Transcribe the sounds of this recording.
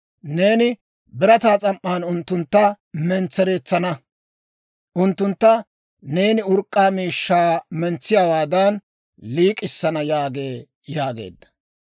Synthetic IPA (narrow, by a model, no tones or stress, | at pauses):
ne̞ːnɪ | bɪɾɐt̪aːt͡sʼɐmʔːaːnʊnt̪ːʊnt̪ːɐ | mɛnt͡sːɛɾe̞ːt͡sːɐnɐ | ʔʊnt̪ːʊnt̪ːɐ | ne̞ːnɪʊɾkʼːaːmiːʃːaːmɛnt͡sːɪjaːwaːd̪ɐn | liːkʼːɪsːɐnɐjaːɡe̞ː | jaːɡe̞̰ːd̪ːɐ̥